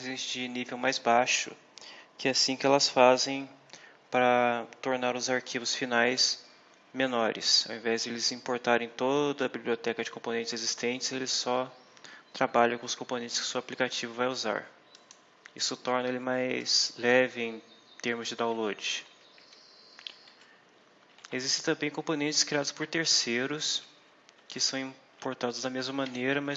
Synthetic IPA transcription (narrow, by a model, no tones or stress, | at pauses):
zẽsɪd͡ʒɪnivewmajzbaʃʊ̰ | kɪɛasĩkɪɛlɐsfazẽj̃ | pɾɐt̪oɾnaɾʊzaɾkʰivʊsfinajs | mẽnɔɾɪ̰sa̰wẽvɛzd̪elɪzĩpoɾt̪aɾẽj̃t̪od̪ɐːbibliot̪ɛkɐd͡ʒɪ̥kõmponẽnt͡ʃɪz̥ezist̪ẽnt͡ʃɪzelɪsɔ | t̪ɾabaʎɐkõʊskõmpõnẽnt͡ʃɪ̥skɪ̥suaplikat͡ʃivʊvajuza̰ɾ | ḭsʊt̪ɔɾnɐelɪmajzlɛvɪẽj̃t̪eɾmʊzd͡ʒɪd̪aw̃lod͡ʒɪ | ezist̪ẽt̪ɐ̃mbẽj̃kõmponẽnt͡ʃɪ̥skɾiad̪ʊspʊɾt̪eɾsejɾʊs | kɪsɐ̃w̃ĩ | poɾt̪ad̪ʊzd̪ɐmezmɐmɐ̃neɾɐmɐ